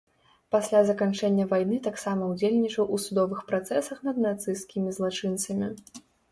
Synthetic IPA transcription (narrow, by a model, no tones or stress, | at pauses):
pasʲlʲazɐkant͡ʂɛnʲːɐvajnɨt̪aksamɐud͡zʲelʲnʲit͡ʂɐwʔusud̪ɔvɨxpɾat̪sɛsɐxnɐd̪nat̪sɨjskʲimʲizlˠat͡ʂɨnt̪sɐmʲi